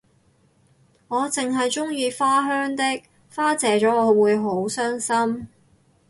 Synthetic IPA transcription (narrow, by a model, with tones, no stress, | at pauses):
ŋɔː˨˧t͡sɪ˨ŋɦɐ˨jt͡ʃʊ˥ŋjiː˧faː˥ɦœː˥ŋt̪ɪ˥k̚ | faː˥t͡sɛː˨˩t͡ʃɔː˨˥ŋɔː˨˧wuː˨˧jɦo˨˥wsœː˥ŋsɐ˥m